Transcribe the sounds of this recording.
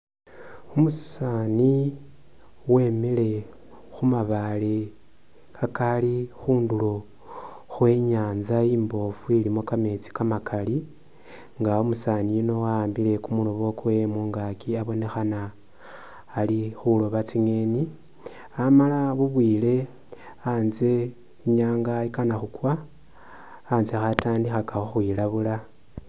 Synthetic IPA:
umusani | we̞mele̞ | xumaβale | kakalixuːndulo̞ | xwe̞ːɲaːnzajiːmbo̞fuilimo̞kame̞t͡si̥kamakʰali | ŋɡaomusaːnijuno̞waːmbile̞kumulo̞βo̞kuwe̞moŋɡakiaβo̞ne̞xana | lixulo̞βat͡siŋe̞ːni | amalaβuβwiːle̞ | anze̞ | ɲaːŋɡaikanaxukwa | nzexataːndixakaxoxwilaβula

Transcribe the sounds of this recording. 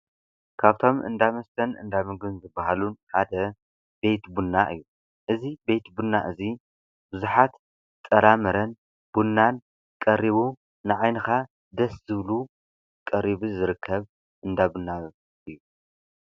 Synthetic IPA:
kʰaβt̪ʰo̞mʔɨ̰nd̪amɐst̪ʰɐnɨ̰nd̪amɨɡɨnzɨbːaɦalunħad̪ɐ | be̞jt̪bunːaʔɨ̰jːu | ʔɨzibe̞jt̪bunːaʔɨzi | b̥ɨzuħat̪ | t̪ʼːɐɾamɐɾɐn | b̥unːan | kʼɐɾiβu | nɨʕajnɐxa | d̪ɐszɨβlu | kʼɐɾiβuzɨɾɨkʰːɐβ | ʔɨnd̪abunːa | ʔɨjːu

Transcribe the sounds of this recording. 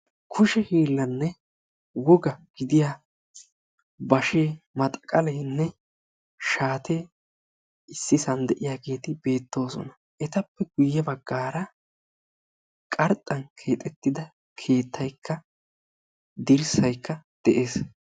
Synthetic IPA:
kʰʊʃɛhiːlːɐnːɛ | wɔɡɐɡ̥ɪd̪ɪjaː | bɐʃeːmɐt̪ʼkʼɐlɛjnːɛ | ʃaːt̪ʰeː | ɪsːɪsɐnd̪ɛʔɪjaːɡe̞ːt̪ɪbe̞ːt̪ːo̞ːsɔ̰nɐ | ʔɛt̪ɐpːɛɡʊjːɛbɐɡːaːɾɐ | kʼɐɾt̪ʼːɐnkʰe̞ːt̪ʼɛt̪ːɪd̪ɐ | kʰe̞ːt̪ʰːɐjkʰːɐ | d̪ɪɾsɐjkːɐd̪̥ɛʔe̞ːs

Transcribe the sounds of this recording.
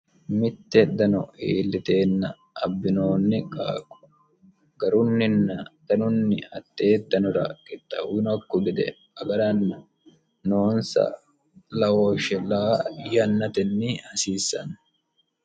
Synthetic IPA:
mɪt̪ːɛd̪ɐnɔiːlːɪt̪e̞ːnːɐ | ɐbːɪnoːnːɪkʼaːkːʊ̥ | ɡ̥ɐɾʊnːɪnːɐd̪̥ɐnʊnːɪɐt̪ːe̞ːd̪ɐnʊɾɐkʼɪt̪ʼːɐwnɐkːʊɡɪd̪ɛ̰ | ɐɡɐɾɐnːɐ | noːnsɐ̰ | lɐwoʃɛlaːjɐnːɐt̪ɛnːɪɐsiːsːɐ̰n

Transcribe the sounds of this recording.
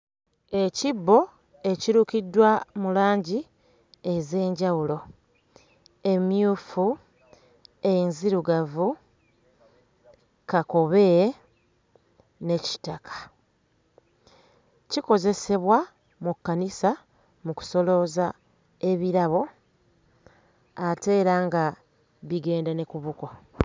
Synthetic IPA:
e̞cibːo̞ | e̞ciɾukidːwamulaːɲɟi | e̞ze̞ːɲɟawulo̞ | e̞mjuːfu | ejinziɾuɡavu | kako̞βe̞ːɾe | ne̞ci̥takʰḁ | ciko̞ze̞se̞βwa | mukːanisa | muku̥so̞lo̞za | e̞βiɾaβo̞ | ate̞ːɾaŋɡa | βiɡe̞ːndane̞kuβuko̞

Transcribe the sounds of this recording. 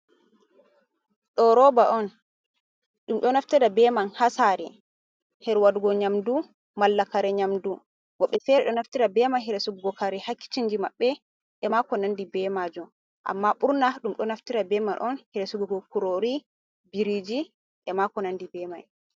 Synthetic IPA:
ɗɔɾɔbaʔɔn | ɗumɗɔnaftiɾabɛmanhasaɾi | hɛɾwaduɡɔɲamdu | malːakaɾɛɲamdu | wɔɓːɛfɛɾɛɗɔnaftiɾabɛmajɦɛɾɛsuɡɡɔkaɾɛhakːi̥t͡ʃiɲd͡ʒimaɓːɛ | ɗɛmakɔnandibɛmad͡ʒum | ʔa̰mːaɓuɾnaɗumɗɔnaftiɾabɛmanʔɔnhiɾesuɡuɡɔkuɾoɾi | biɾid͡ʒi | ʔɛmakɔnandibɛmaj

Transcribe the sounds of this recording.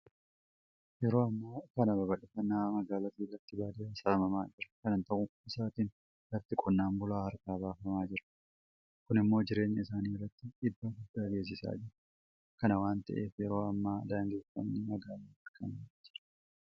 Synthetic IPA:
jɛɾo̞ːɐmːaːkɐnɐbɐbɐᶑɪfɐnːaːmɐɡaːlɐt̪iːrːɐt̪ːɪbaːd̪iaːsaːmɐmaːd͡ʒɪɾɐ̥kɐnɐnt̪ɐʔʊɪsaːt̪iːn | lɐt̪ːɪkʼɔnːaːmbʊlaːhɐɾkaːbaːfɐmaːd͡ʒɪɾɐ̥ | kʊnɪmːo̞ːd͡ʒɪɾe̞ːɲːɐɪsaːniːrːɐt̪ːɪɪd̪ːoːɡʊd̪ːaːɡe̞ːs̬ɪsa̰ːd͡ʒɪɾɐ̥ | kɐnɐwaːnt̪ɐ̰ʔe̞̰ːfjɛɾo̞ːɐmːaːd̪aːŋɡeːfɐ̰mnɪmɐɡaːlaːɐɾkʰɐnad͡ʒɪɾɐ̥ɐ

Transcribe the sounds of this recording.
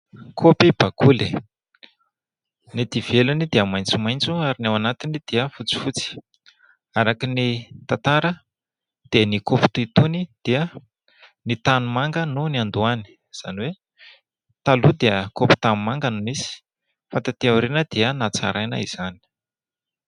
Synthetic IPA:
kʰopib̥akule | net̪iv̥elunid̪eəmajnt͡sumajnt͡suaɾinawanat̪inid̪̥iəfut͡si̥fut͡si̥ | aɾakinit̪at̪aɾə | d̪̥enikopi̥t̪uit̪unid̪̥iə | nit̪anumaŋɡənuniand̪uani̥ | z̥a̰niwe | t̪alud̪eəkopi̥t̪anumaŋɡənumisi̥ | fant̪at̪eauɾinəd̪̥eənat͡sa̰ɾʔajnə̰ḭz̥ani̥

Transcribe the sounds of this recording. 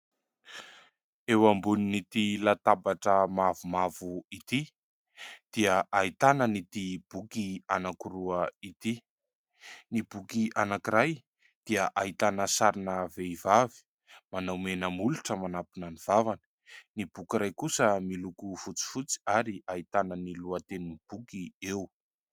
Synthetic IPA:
ewambuninit̪ilat̪abaʈ͡ʂəmavumavuit̪i | d̪̥iəʔait̪anənit̪ib̥ukianakiɾuəit̪i | nibukiʔanakiɾaj | d̪̥iəʔait̪anəsaɾinəveivavi̥ | manawmenəmuluʈ͡ʂəmanapinaniv̥avanə̥ | nibukiɾajkusəmilukufut͡si̥fut͡si̥aɾiait̪anəniluət̪eninib̥ukiew

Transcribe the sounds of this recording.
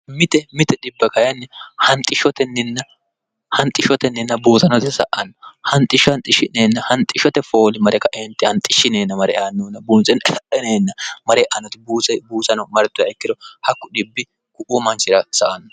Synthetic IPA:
mɪt̪ɛmɪt̪ɛɗɪbːɐkɐjɐnːɛhɐnt̪ʼɪʃɔt̪ɛnːɪnːɐ | hɐnt̪ʼːɪʃɔt̪ɛnːɪnːɐbuːt̪ɐnɔt̪ɛsɐ̰ʔɐnːɔhɐnt̪ʼːɪʃɐnt̪ʼɪʃɪneːnːɐhɐnt̪ʼːɪʃɔt̪ɛfo̞ːlɪmɐɾɛkɐʔent̪ːɪhɐnt̪ʼɪʃːɪneːnːɐmɐɾɛ̰ʔaːnːoːnːɐbuːnsɛnɐʔɛneːnːɐmɐɾɛʔɐnɔt̪ɪbuːsɛbuːsɐnɔmɐɾɛt̪ːʊjaɛkːɪd̪ɔhɐkːʊɗɪbːɪ | kʊʔumɐnt͡ʃɪɾɐsɐʔɐnːɔ

